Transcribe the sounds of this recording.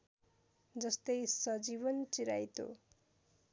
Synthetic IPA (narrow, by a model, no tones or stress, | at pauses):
d͡zʌst̪ʌjsʌd͡zibʌnt͡siɾajt̪o̰